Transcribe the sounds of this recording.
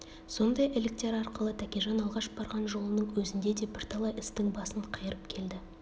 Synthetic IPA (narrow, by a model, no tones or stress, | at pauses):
so̞nd̪ɑjʔɪlɪk̚t̪e̞ɾɑɾqəlˠət̪ʰækʲeʒɑnɑlˠʁɑʃb̥ɑɾʁɑnʒo̞lˠənəɴwɵzɪnd̪e̞d̪e̞bɪɾt̪ʰɑlˠɑjɪst̪ɪŋbɑsəɴqʰɑjəɾəp̚kʲʰe̞ld̪ɪ